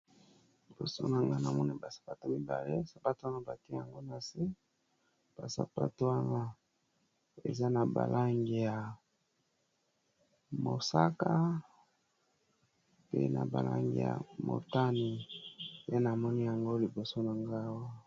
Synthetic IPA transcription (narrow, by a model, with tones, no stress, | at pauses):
li˨bo̰˨so˦na˨ŋɡa˦na˨mɔ˦ni˦ba˨sḁ˨pa˦to˦mi˦ba̰˨le˦sa˨pa˦to˦a˦na˦ba˨ti˦e˦ja˨ŋɡo˦na˨se˦ | b̥a̰˨sa̰˨pa˦to˦wa˦na˦ | ḛ˨za˦na˨ba̰˨lʔa˦ŋɡi˨ja˨ | mo˨sa˦ka˦ | pḛ˦na̰˨ba̰˨la̰˦ŋɡḭ˨ja̰˨mo̰˨ta˦ni˨ja˦na˨mɔ˦ni˦ja˨ŋɡo˦li˨bo˨so˦na˨ŋɡa˦wa˦